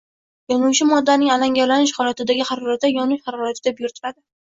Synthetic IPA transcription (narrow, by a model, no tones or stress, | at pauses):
jɒnuwt͡ʃʰɪmɒd̪ːanɪŋalaŋɡʲaɾlanɪʃ̬hɒlat̪ɪd̪aɡʲɪhɑɾɒɾat̪̚d̪ajɒnʊʃhɑɾɒɾat̪ʰɪd̪abjʊɾt̪ʰɪɾad̪ɪ